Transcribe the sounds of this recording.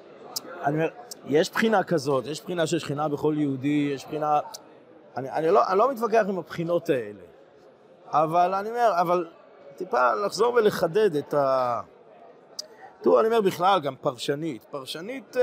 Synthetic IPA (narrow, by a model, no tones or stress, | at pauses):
aniomejeʃpχinakazo̞tjeʃpχinaʃ̬elʃχinabe̞χo̞ljeudijeʃpχina | ania̰niloʔa̰nlo̞mit̪bak̬eaχimapχino̞tae̞le̞̰ | avalaniome̞ʁaval | tipalaχzo̞ʁvele̞χade̞d̪eta | tuaniomeʁbiχlalɡampaʁʃanitpaʁʃanit